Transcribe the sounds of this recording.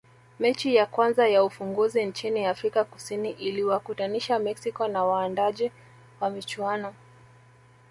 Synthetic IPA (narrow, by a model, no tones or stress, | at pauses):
mɛt͡ʃijakwanzajaufuŋɡuzint͡ʃiniafɾikakusiniʔiliwakutaniʃamɛksikɔnawaːndaʄɛ | wamit͡ʃuwanɔ